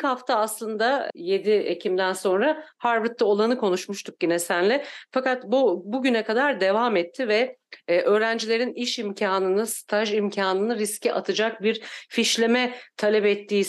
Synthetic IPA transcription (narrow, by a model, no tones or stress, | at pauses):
ichaft̪ʰaːslˠɯnd̪aje̞d̪iecʰimd̪ænso̞nɾahaɾvɾt̪lːɯo̞lˠanɯkʰo̞nuʃmuʃt̪ʰuk̚ɟinesænlʲɛfakat̪bubuɟynɛkad̪aɾd̪e̞vamɛt̪ʰːivɛʔø̞ːɾænd͡ʒilʲe̞ɾiniʃimcʰaːnɯnɯst̪ʰaʒimcʰaːnɯnɯɾiscɛʔat̪ʰɯd͡ʒak̚biɾfiʃlʲemɛt̪ʰalʲɛpɛt̪ʰːiː